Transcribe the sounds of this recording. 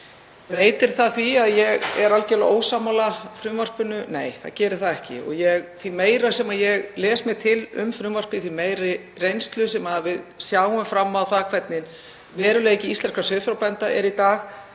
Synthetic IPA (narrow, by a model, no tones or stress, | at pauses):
reːjt̪ɪɾ̥θaðθviaðjɛɣɛ̰ɾalcɛlaʔoːwsaːmalafɾʏmvar̥pʏnʏneːjθa̰ðcɛːɾɪɾ̥θaðɛhcɪ̰ɔ̰ɣjɛɣθvimeːjɾasɛmajɛɣlɛːsmɪt̪ʰɪlʏ̰mfɾʏmvar̥pɪθvimeːjɾɪ | rejnst̪lʏsɛmavɪðsjaːwʏmfɾamːaðθakʰvɛt̪̚nɪn | vɛːɾʏlɛejcɪist̪ɛnskasœːðfɾawpɛnt̪aʔɛ̰ɾit̪aːɣ